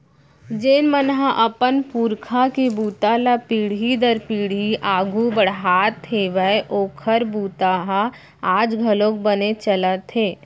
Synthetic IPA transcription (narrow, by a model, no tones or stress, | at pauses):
d͡ʒeːnmənɦãʔəpənpuːɾkʰakebuːt̪aːlapiːɽ̤ɦid̪əɾpiːɽ̤iʔaːɡʱubəɽ̤ɦaːt̪ʰːeʋəeʔoːkʰəɾbuːt̪aɦa | aːd͡ʒɡʱəlõːkbənet͡ʃələt̪ʰːeː